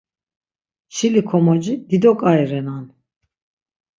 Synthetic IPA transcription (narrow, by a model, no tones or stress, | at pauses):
ʃilikʰɔmɔd͡ʒid̪id̪ɔkʼaiɾɛnan